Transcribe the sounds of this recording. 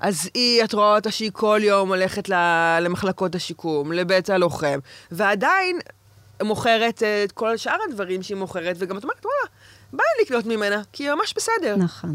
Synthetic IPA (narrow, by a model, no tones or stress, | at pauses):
ʔaziatʁoaotaʃeikʰo̞ljo̞mole̞χetlalemaχlako̞taʃikumlebetalo̞χe̞mveadain | moχe̞ʁe̞teko̞laʃʔaʁhadvaʁimʃeimoχe̞ʁetveɡamatome̞ʁetwalabaliknotmimenakimamaʃbesedeʁnaχon